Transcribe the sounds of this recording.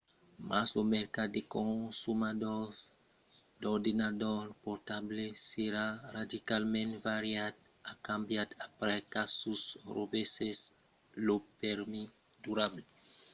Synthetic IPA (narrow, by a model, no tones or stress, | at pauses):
maslomeɾkadd̪ekõsumad̪ɔɾ | d̪ɔɾd̪inad̪ɔɾpɔɾt̪ableseɾarad̪ikalmɛ̃nt̪vaɾjad̪ | akãmbjad̪apɾɛkasusrobeses | lopeɾmi | d̪uɾable